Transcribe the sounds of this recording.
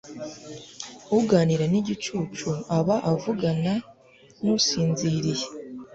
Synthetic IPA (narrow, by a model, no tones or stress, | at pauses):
uɡaːniɾaniɟit͡ʃuːt͡ʃuaβaʔavuɡana | nusiːnziɾije